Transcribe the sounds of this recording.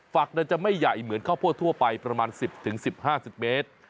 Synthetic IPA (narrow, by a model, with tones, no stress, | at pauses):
fa˨˩k̚na˧nt͡ɕa˨˩ma˥˩jːa˨˩jmɯ˩˦ənkʰaː˥˩wpʰu˥˩ət̪ʰːu˥˩ɐpa˧jpɾa˧maː˧nsi˨˩p̚t̪ʰɯ˩˦ŋsi˨˩p̚haː˥˩si˨˩p̚meː˦˥t̪̚